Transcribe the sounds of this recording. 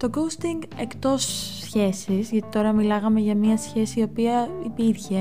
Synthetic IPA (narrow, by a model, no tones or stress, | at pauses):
t̪o̞ɡowst̪iŋɡe̞kt̪o̞s | çe̞sizʝɐt̪it̪o̞ɾɐmilɐɣɐme̞ʝɐmiɐsçe̞sio̞piɐipiɾçe̞